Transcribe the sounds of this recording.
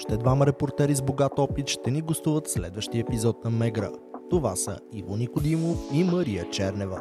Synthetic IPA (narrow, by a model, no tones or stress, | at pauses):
ɔʃt̪ɛd̪vamɐɾɛpoɾt̪ɛɾizboɡat̪ɔpit̪ʃt̪ɛniɡost̪uvət̪slɛ̰d̪vəʃt̪iəɛpizɔt̪̚nɐmɛɡɾə̰t̪ovasə̰ivonixod̪imoiməɾijət͡ʃɛɾnɛvə